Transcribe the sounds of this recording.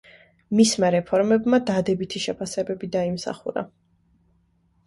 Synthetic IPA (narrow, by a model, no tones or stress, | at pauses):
mismaɾɛpʰɔɾmɛbmad̪ad̪ɛbit̪ʰiʃɛpʰasɛbɛbid̪aimsa̰χṵɾa̰